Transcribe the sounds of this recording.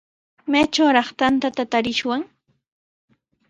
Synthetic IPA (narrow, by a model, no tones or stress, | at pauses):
majt͡ʃawɾɑχt̪ant̪at̪at̪aɾɪʃwaŋ